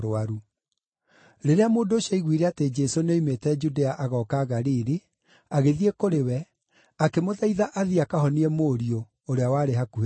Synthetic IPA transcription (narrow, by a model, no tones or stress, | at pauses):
ɾaɾu | ɾeɾeamoːndoːɕɔiɣwiɾeated͡ʒɛsoneimetɛd͡ʒudeaʔaɣɔkaɣaɾiɾi | aɣeðiekoɾewɛ | akemoðaiðaʔaðiakahɔniɛmoːɾio | oɾeawaːɾeɦaku